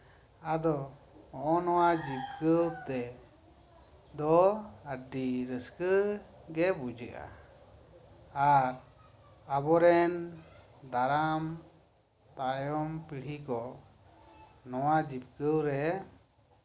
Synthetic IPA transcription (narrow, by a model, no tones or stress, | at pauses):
ad̪ɔ | ɔ̃ʔɔnɔwad͡ʒip̚kəwt̪ɛ | d̪ɔəɖiɾəskəɡɛbud͡ʒəʔa̰ | aɾ | abɔɾɛn | d̪aɾam | t̪ajɔmpiɽ̤ikɔ | nɔwad͡ʒip̚kəwɾɛ